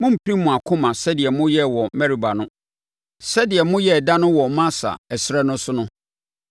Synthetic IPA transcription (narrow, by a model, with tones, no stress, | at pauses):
mʊ̃˦m̩˨pʰɾĩ˦mʊ̃˨a˨kʰʊ̃˦mã˨sɛ˦dɪ˨ɛ˨mʊ̃˦jɛ˦wɔ˨mɛ˦ɾi˨ba˨nʊ̃˦ | sɛ˦dɪ˨ɛ˨mʊ̃˦jɛ˦˨da˦nʊ̃˦wɔ˨˦mã˦sa̰˨ɛ˨sɪ˦ɾɛ˦nʊ̃˦sʊ˦nʊ̃˦